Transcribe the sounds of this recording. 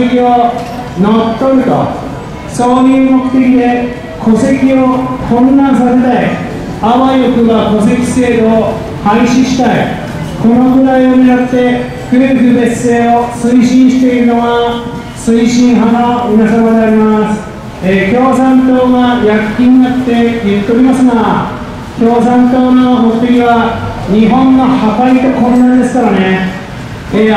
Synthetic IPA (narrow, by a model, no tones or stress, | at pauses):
kio | not̪ːoɾɯt̪o̰ | soːnimokʰɯ̥t̪ekid̪e | kʰosekʲiokʰonːasased̪ae | abajokɯɡakʰosekʲi̥seːɾo | haiɕiɕi̥t̪aj | kʰonoɡɯɾajomiɾat̪ːe | kʰiɾeɾekɯb̪esːeosɨiɕĩɰ̃ɕi̥t̪e̞iɾɯnoβa | sɨiɕĩɰ̃ɦamaɯnasabad̪eaɾʲimasɨ̥ | ekʰʲo̞ːsãnt̪oːɡajakʲːiɲinat̪ːe̞jɯt̪ːeoɾʲimasɨna | kʲo̞ːsãnt̪oːnomot̪ːeɡʲiβa | ɲiɦõnːohapait̪okoɾonad̪e̞sɨ̥kaɾane | e